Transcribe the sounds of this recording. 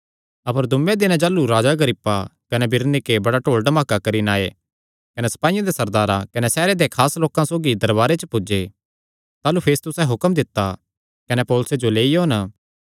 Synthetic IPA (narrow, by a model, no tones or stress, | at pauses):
ɐpəɾd̪ʱʊmːẽd̪ɪnãd͡ʒaːluɾaːd͡ʒaɡəɾɪpːakɐnɛbɪɾnɪkebɐɽaʈoːɭɖɐmaːkakɐɾinaːe | kɐnɛsɐ̥paːijãd̪esɐɾd̪aːɾakɐnɛsɛːɾed̪ekʰaːsloːkãsoːɡid̪ɐɾbaːɾet͡ʃəpʊd͡ʒe | t̪aːlupʰeːst̪ʊsɛ̃ɦʊkəmd̪ɪt̪ːa | kɐnɛpɔːlʊsed͡ʒoleːijoːnə